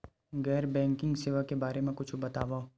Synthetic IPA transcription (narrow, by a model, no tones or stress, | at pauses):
ɣɛːɾbɛ̃ːŋkɪ̃ŋɡsɪʋakebaːɾemẽkʊt͡ʃʰbɐt̪aːʋao